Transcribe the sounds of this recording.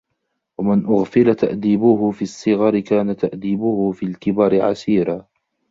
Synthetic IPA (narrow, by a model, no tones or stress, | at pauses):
wamɪnʔʊɣfɪlat̪a̰ʔd̪iːbʊhʊfiːsˤːɨɣɑɾɪkaːnat̪aʔd̪iːbʊhʊfiːlkɪbɑːɾɪʕasiːɾa